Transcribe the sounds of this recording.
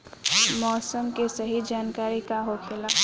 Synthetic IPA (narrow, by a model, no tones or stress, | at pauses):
mɔːsəmkesɐɦid͡ʒaːnkaːɾikaɦokʰelaː